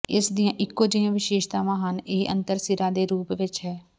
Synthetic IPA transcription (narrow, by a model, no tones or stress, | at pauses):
ɪsd̪ijãːʔɪkːoːd͡ʒɪãːʋɪʃeːʃt̪aːʋãːɦəneːʔə̰nt̪əɾsɪɾaːd̪eːɾuːpʋɪt͡ʃɦɛː